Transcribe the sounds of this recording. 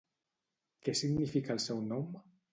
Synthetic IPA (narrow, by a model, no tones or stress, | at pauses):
kesiɣnifikaelsɛwnɔm